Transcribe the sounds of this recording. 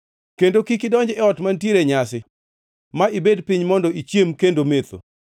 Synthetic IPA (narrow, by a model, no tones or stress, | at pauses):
kendokikɪdɔɲd͡ʒɛɔtmantjeɾeɲasɪ | maibedpɪɲmɔndɔit͡ʃjemkendomet̪o̰